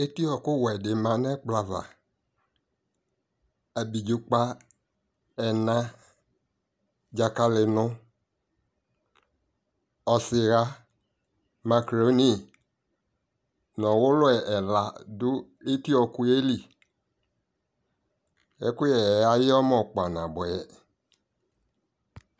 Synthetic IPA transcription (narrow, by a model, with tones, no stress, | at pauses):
e˦ti˦ɔ˨kʊ˦wɛ˨dɪ˨mã˨nɛ˦k͡pla˨va̰˨ | a˨bi˨d͡ʒʊ˨k͡pa˦ | ɛ˨nã˦ | d͡ʒa˨ka˦lɪ˨nʊ˦ | ɔ˨sɪ˨ɣa˦ | ma˨kɾo˦ni˦˨ | nɔ˨wʊ˦lʊ˦ɛ˨ʔɛ˨la˨dʊ˦ | e˦ti˦ɔ˨kʊ˨e˦li˨ | ɛ˦kʊ˦jɛ˨˦a˨jɪ˦ɔ˦m˦ɔ˨k͡pa˨nã˨bɔ˨ɛ˨